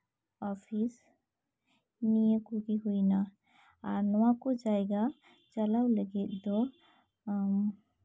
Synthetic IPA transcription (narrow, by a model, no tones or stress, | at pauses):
ɔpʰis | nijəkuɡiɦujna | aɾnɔwakud͡ʒajɡa | t͡ʃalawləɡit̪̚d̪ɔ